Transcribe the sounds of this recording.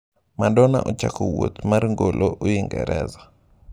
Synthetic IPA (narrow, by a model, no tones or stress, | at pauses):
madɔna̰ʔɔt͡ʃakowot̪marŋɡolʔoʔojiŋɡɛɾɛza